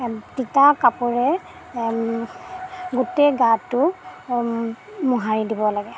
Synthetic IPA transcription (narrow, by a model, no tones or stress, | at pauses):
titakapɔɹɛ | ɡutɛjɡatːʊ | muɦaɹidibɔlaɡɛ